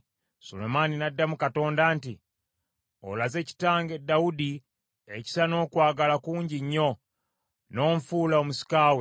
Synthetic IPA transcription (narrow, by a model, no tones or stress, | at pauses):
so̰lomaninadːamukato̞ːndaːntḭ | o̰laze̞ci̥taːŋɡe̞dːaudi | eci̥sano̞ːkwaːɡalakuːɲɟiɲːo̞ | no̞ːɱfulaomusi̥kaːwe